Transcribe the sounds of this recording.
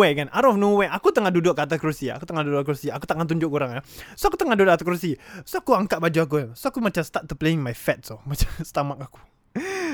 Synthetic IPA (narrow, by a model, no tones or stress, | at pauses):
ekanaɾɔɔfnuweʔakut̪əŋahdudʊʔkat̪̬akɾusia̰kut̪əŋahdudʊʔkɾusiakut̪aŋant̪uɲd͡ʒʊʔkuɾaŋasoakut̪əŋahdudʊʔ̚kat̪akɾusisoakuaŋkaʔ̚bad͡ʒuak̬uansoakumat͡ʃamst̪at̪̚ːupleiŋmajfɛt̪̚somat͡ʃḁmsə̥t̪amak̚aku̥